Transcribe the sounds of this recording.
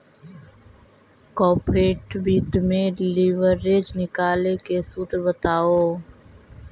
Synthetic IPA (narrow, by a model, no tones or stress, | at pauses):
kɔːpɾeːʈbiːt̪mẽɖɪliːʋəɾːeːd͡ʒnɪkaːlekesuːt̪ɾbət̪aːoː